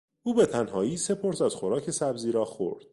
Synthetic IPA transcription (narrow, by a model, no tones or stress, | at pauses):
ʔuːbet̪ʰænɦɒːiːse̞pʰo̞ɾsæz̥xo̞ɾɒːcʰe̞sæbziːɾɒːxo̰ɾd̪̥̚